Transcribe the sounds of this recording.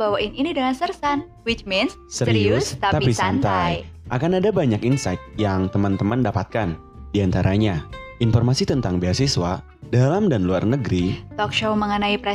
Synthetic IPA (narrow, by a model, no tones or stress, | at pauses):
bawaʔɪninidəŋansərsan | wit͡ʃmɛns | səɾiust̪at̪apisant̪ajʔakanadabaɲakinsajt̪̚jaŋt̪əmant̪əmandapat̪̚kan | diant̪aɾʔaɲaʔinfɔrmasit̪ənt̪aŋbeasiswa | dalamdanluarnəɡɾit̪ɔkʃoməŋənaipɾɛ